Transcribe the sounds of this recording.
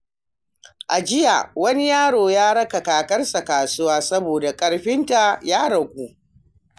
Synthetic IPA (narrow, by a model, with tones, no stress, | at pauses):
ʔa˨d͡ʒɪ˦ja˨wɐ˦ni˦jaː˦ɽoː˨jaː˦ɽɐ˦ka˨kaː˨kɐ˦rsa˨kaː˨sʊ˦waː˦sɐ˦boː˨da˨kʼɐ˨ɽɸɪ˦nta˨jaː˦ɽɐ˨ɡʷuː˦